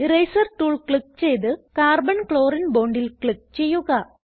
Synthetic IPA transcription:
rɐjsɐrʈuːɭkɭik̚ːt͡ɕe̞jt̪ɨkaːrbɐnkɭoːɾinboːɳɖilkɭik̚ːt͡ɕe̞jːuɣɐ

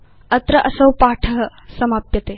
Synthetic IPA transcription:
ɐt̪ɾɐʔɐsɐwpaːʈʰɐɦɐ | sɐmaːpjɐt̪eː

